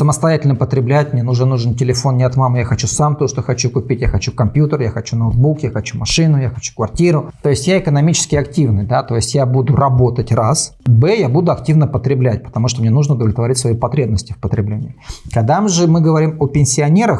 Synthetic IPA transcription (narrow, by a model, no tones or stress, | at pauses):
səməst̪ɐjætʲɪlʲnəpət̪ɾʲɪblʲæt̚ʲmnʲenuʐnənuʐɨntʲɪlʲɪfo̞nnʲɪɐt̪mamɨjaxɐt͡ɕusamt̪oʂt̪oxɐt͡ɕukʊpʲitʲjaxɐt͡ɕukɐmpʲjut̪ərjaxɐt͡ɕunoːt̪̚bukjaxɐt͡ɕumɐʂɨnʊjaxɐt͡ɕu̥kvɐrtʲiɾʊt̪o̞ɪsʲtʲjaɪkənɐmʲit͡ɕɪ̥skʲɪɐktʲivnɨjd̪at̪o̞ɪsʲtʲjabud̪ʊrɐbo̞t̪ətʲrasbɛjabud̪ʊɐktʲivnəpət̪ɾʲɪblʲæt̚ʲpə̥t̪ɐmuʂt̪omnʲe̞nuʐnəʊd̪əvlʲɪt̪vɐɾʲitʲsvɐjipɐt̪ɾʲe̞bnəsʲtʲɪfpət̪ɾʲɪblʲenʲɪ̰ɪkɐɡd̪amɨʐɨmɨɡəvɐɾʲimopʲɪnʲsʲɪɐnʲeɾəx